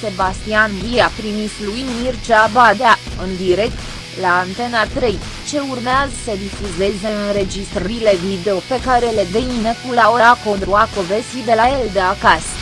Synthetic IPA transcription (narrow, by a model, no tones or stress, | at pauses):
se̞bast̪ianviapɾimislujmirt͡ʃabad̪ea | ɨnd̪iɾe̞k̚t̪ | laːnt̪e̞nat̪ɾe̞j | t͡ʃe̞urmeazəsəd̪ifuze̞ze̞ɨnnɾe̞d͡ʒist̪ɾəile̞vid̪e̞o̞pe̞kaɾe̞led̪eminəkulaoɾako̞nt̪ɾuakovesid̪e̞lajeld̪eakas